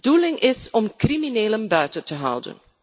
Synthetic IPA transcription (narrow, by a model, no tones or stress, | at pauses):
dulɪŋʔɪsɔmkrimineːləmbœɥtətəɦʌ̰wdə̰n